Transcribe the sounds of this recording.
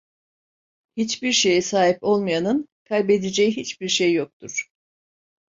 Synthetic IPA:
hit͡ʃbiɾʃe̞jɛsaːɦipo̞lˠmajanɯnkʰajbe̞d̪ed͡ʒejiɦit͡ʃbiɾʃejːo̞k̚t̪ʰuɾ̥

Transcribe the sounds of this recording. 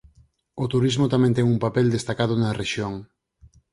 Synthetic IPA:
ot̪uɾizmot̪amɛ̃nt̪ɛŋumpapɛld̪est̪akaðʊnɐrʔeʃjoŋ

